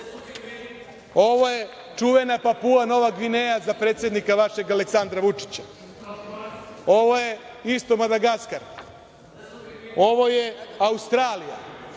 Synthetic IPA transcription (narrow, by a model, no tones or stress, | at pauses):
o̞ʋo̞je̞ | t͡ʂuʋe̞napapuano̞ʋaɡʋinejazapɾet̪sjed̪nikaʋaʃe̞ɡaleksand̪ɾaʋut͡ʂi̥t͡ɕḁ | o̞ʋo̞je̞ | ist̪o̞mad̪aɡaskaɾ | o̞ʋo̞jeaust̪ɾaːlija̰